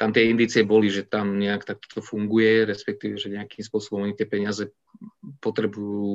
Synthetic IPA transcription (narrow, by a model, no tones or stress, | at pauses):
t̪amt̪ɪɛind̪iːt͡siɛbɔliʒɛt̪amɲɛakt̪ak̚t̪ɔ̥t̪ɔfuŋɡujɛɾɛspɛk̚t̪iːʋɛʒɛɲɛakimspʊɔsɔbɔmɔɲit̪ɪɛpɛɲɪazɛ | pɔt̪ɾɛbujuː